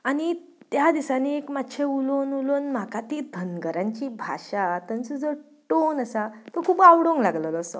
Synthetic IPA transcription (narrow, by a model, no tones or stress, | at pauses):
aɽ̃i | t̪jad̪isaniekmat̪ːɕʰeulonulonm̤akat̪id̪ʱənɡəɾãɲt͡ɕiːbʱa̰ɕat̪ə̃nt͡səd͡zə | ʈonəsat̪okʰuːpawɽoŋɡlaɡləlɔsɔ̰